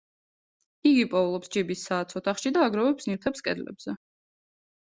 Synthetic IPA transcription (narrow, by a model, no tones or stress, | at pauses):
iɡipʼɔvlˠɔpsd͡ʒibisːaːt̪sʰɔt̪ʰaχʃid̪aːɡɾɔvɛpsniɾt̪ʰɛpskʼɛd̪lɛ̰bz̥ɛ